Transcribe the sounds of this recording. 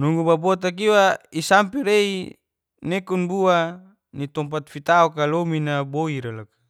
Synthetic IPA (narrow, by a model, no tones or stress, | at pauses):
nuŋɡubabɔt̪ak̬iwaisampiɾei | nekunbua | nit̪ɔmp̬at̪fit̪aɔkalominaboiɾalakḁ